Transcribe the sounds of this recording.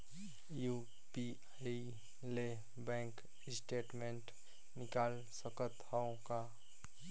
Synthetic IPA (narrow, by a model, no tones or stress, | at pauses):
ju | pi | i | le | bɛ̃ːŋk | ɪsʈeːʈmẽɳʈ | nɪkaːl | səkət̪haõka